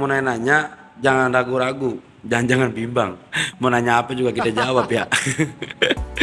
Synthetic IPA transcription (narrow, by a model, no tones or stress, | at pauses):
mɔnaɛnaɲa | d͡ʒaŋanraɡuɾaɡu | d͡ʒaŋnd͡ʒaŋanbimbaŋmɔnaɲaːpad͡ʒuɡakit̪ad͡ʒawapijaʔ